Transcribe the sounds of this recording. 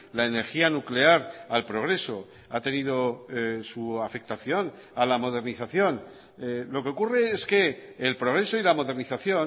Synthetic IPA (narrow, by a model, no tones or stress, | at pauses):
laene̞ɾxianukle̞aɾalpɾo̞ɣ̞ɾe̞so̞ | at̪e̞niðo̞suafe̞k̚t̪aθjo̞n | alamo̞ð̞e̞ɾniθaθjo̞n | lo̞ke̞okure̞eske̞ːlpɾo̞ɣ̞ɾe̞so̞ilamo̞ðe̞ɾniθaθjo̞n